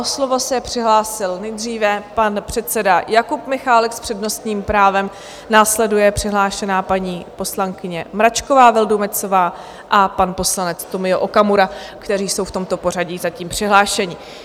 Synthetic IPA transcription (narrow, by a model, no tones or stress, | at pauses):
ʔoslovo̞sɛpr̝̥ɪɦlaːsɪlnɛjd̪riːvɛpanpr̝̥ɛt̪sɛdajakupmɪxaːlɛkspr̥ɛdno̞st̪ɲiːmpɾaːvɛm | naːslɛdujɛpr̥ɪɦlaːʃɛnaːpaɲiːpo̞slaŋkɪɲɛmɾat͡ʃko̞vaːvɪldumɛt͡so̞vaː | ʔapanpo̞slanɛt͡st̪omɪoʔokamuɾa | kt̪ɛɾiːso̞wft̪o̞mt̪opo̞r̝aɟizaciːmpr̝̥ɪɦlaːʃɛɲɪ